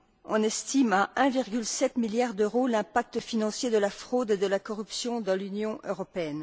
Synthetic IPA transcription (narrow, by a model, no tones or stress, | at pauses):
ɔ̃nɛst̪imaʔɛ̃viʁɡʲylsɛt̪miljaʁd̪øʁolɛ̃pak̚t̪əfinɑ̃sjed̪əlafχod̪ed̪əlakɔʁypsjɔ̃d̪ɑ̃lynjɔ̃ʔøʁɔpeɛn